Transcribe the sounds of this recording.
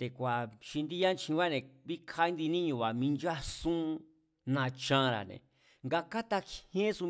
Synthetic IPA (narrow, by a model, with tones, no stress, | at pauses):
t̪e˨kʷa˨ʃi˧nd̪i˦jã˦nt͡ʃʰĩ˧βa˦nẽ˨βi˦kʰa˧˦i˦nd̪i˧nĩ˦ɲũ˧˨βa˨mĩ˧nd͡ʒa˦sũ˦ | nã˧t͡ʃã˧˦ɾa̰˨nḛ̃˨ | ŋɡa˧ka˦t̪a˧khẽ˦su˧